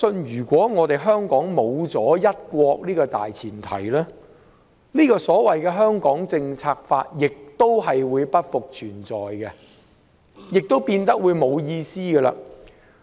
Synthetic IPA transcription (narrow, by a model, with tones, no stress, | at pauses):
sɵ˧njyː˨˩kʷɔː˨˥ŋɔː˨˧t̪e˨jɦœː˥ŋkɔː˨˥ŋmo˨˧wt͡sɔː˨˥jɐ˥t̚kʷɔː˧k̚liː˥kɔː˧t̪a̰ː˨jt͡sʰiː˨˩nt̪ʰɐ̰˨˩jlɛː˥ | niː˥kɔː˧sɔː˨˥wɐ˨jkɛː˧ɦœː˥ŋkɔː˨˥ŋt͡sɪ˧ŋt͡sʰaː˧k̚fa̰ː˧t̚jɪ˨k̚t̪o˥wɦɐ˨jwuː˨˧jpɐ˥t̚fʊ˨k̚t͡ʃʰyː˨˩nt͡sɔː˨jɡɛ˧ | jɪ˨k̚t̪o˥wpiː˧nt̪ɐ˥k̚wuː˨˧jmo˨˧wjiː˧siː˥ɡɛ˧la̰ː˧